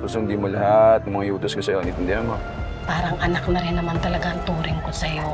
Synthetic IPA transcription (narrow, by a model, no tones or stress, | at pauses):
posʊɪnd̪iːmolɐhat̪ŋmɐŋajuːt̪oskosɐjoɐnit̪ɪnd̪ɛhɐmo | paːɾɐŋʔɐnaknɐɾɪnːɐmant̪ɐlɐɡaɐnt̪uːɾɪŋkosɐjo